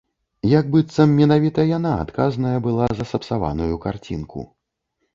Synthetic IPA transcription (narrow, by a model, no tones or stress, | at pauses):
jaɡ̚bɨt̪sɐmːʲɛnavʲit̪ɐjanaa̰t̪kaznɐjɐbɨlˠazɐsɐpsava̰nujukart͡sʲḭnkʰṵ